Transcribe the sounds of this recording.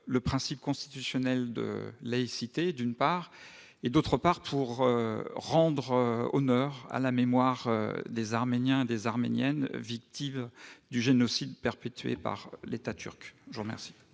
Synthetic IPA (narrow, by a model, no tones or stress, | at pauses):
ləpχɛ̃sipkɔ̃st̪i̥t̪ysjɔnɛld̪ə̰laisit̪ed̪ynpaʁ | ed̪ot̪χəpaʁpʰuʁøʁɑ̃d̪ʁøɔ̰nœʁa̰lamemwaʁø̰d̪ezaʁmenjɛ̃ed̪ezaʁmḛnjɛnvik̚t̪imd̪yʒenɔsid̪pɛʁpet̪ɥḛpa̰ʁlet̪at̪ʰy̰ʁkʒvuʁəmɛ̰ʁsi̥